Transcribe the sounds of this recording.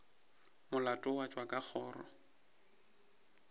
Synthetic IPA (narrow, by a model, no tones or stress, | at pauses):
mʊlatʼʊwat͡ʃʼwakʼak͡xʰɔːrɔ̰